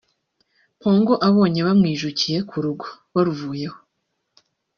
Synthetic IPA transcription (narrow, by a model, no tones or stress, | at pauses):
po̞ːŋɡoʔaβo̞ːɲe̞βamŋiːʒucije̞kʰuɾuɡo̥ | βaɾuvuːje̞ho̥